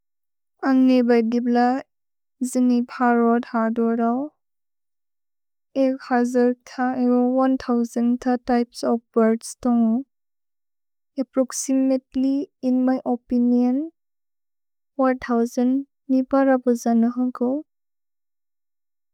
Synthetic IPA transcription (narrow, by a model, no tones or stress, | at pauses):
aŋnebajdibla | zinipʰaɾɔdhadɔɾaw | ekhazaɾtʰaeɡɔwantʰawzantʰatajpsɔp̚baɾdstɔŋ | epɾɔksimetliːnmajʔɔpiniɔn | wantʰawzanː | ipaɾabɔzanɯɦɯŋkʰɯw